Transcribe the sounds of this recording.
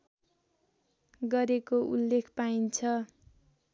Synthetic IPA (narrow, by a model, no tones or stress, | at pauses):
ɡʌɾekoʔulːekʰpaint͡sʰʌ